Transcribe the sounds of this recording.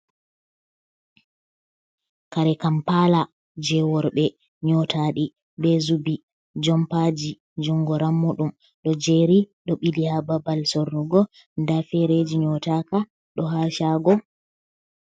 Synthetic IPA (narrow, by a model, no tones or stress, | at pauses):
kaɾɛkampala | d͡ʒɛwɔɾbɛ | ɲɔtaɗi | bɛzubi | d͡ʒɔmpad͡ʒi | d͡ʒuŋɡɔɾamːuɗum | ɗɔd͡ʒeɾiɗɔɓilihababalsorːuɡɔ | ndafɛɾed͡ʒiɲɔtaka | ɗɔɦaʃaɡɔ